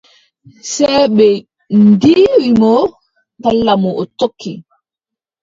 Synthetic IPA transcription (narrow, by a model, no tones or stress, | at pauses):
sɛːɓɛ | ndiːwimɔ | talːamɔɔtokʰːi